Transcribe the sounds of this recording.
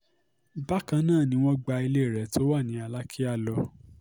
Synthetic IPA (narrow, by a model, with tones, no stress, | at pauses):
ba˦kã˧nãː˦˨nĩ˧˦w̃ɔ̃˦ɡ͡ba˧i˧le˦˨ɾɛ˨˦tʰo˦wa˦˨nĩ˨˦a˧la˦kʰi˦a˦˨lɔ˧˦